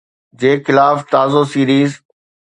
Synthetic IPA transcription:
d͡ʑeːxɪlaːft̪aːzosiːɾiːz

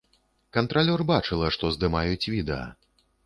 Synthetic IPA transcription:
kɐnt̪ɾalʲɔrbat͡ʂɨlˠɐʂt̪ɔzd̪ɨmajut͡sʲvʲid̪ɛɐ̰

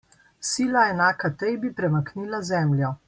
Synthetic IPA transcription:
siːlaɛnaːkat̪ɛjbipɾɛmakniːlazɛːmlʲjɔ

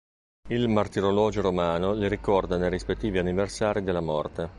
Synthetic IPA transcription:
ilmart̪iɾolɔːd͡ʒoɾomaːnoliɾikɔrd̪anejrispet̪ːiːvianiversaːɾid̪elːamɔrt̪e

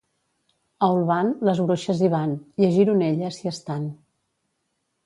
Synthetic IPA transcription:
əwlˠβanləzβɾoʃəziβ̞aniəʒiɾuneʎəsiəst̪an

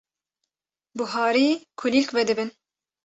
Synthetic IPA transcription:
buɦɑːɾiːkʰʊlilkvɛd̪ɨbɨn

